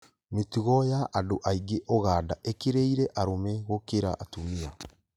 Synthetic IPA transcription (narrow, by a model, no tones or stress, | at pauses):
metuɣɔjaʔːdoʔaiɡeʔɔɣaːdaʔekeɾeiɾɛʔaɾomɛɣokeɾaʔːtumia